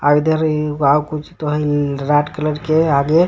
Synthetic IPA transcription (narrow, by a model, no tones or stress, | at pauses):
aid̪ʱeɾawkut͡ʃʰt̪oɦə̃iɾaʈkələɾkeaɡe